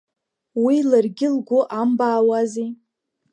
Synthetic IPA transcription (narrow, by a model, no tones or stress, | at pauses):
wilarɡʲɪlɡʷʊʔambaːwazi